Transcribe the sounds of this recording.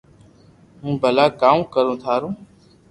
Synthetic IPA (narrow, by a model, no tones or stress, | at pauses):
ɦũːbəlaːkaːmũːkəɾõːt̪ʰaːɾũː